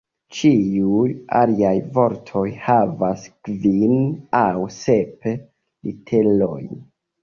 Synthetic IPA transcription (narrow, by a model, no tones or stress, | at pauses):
t͡ʃiuja̰liajvo̞ɾtʰo̞jhavaskvinawse̞p | lḭtʰe̞lo̞̰j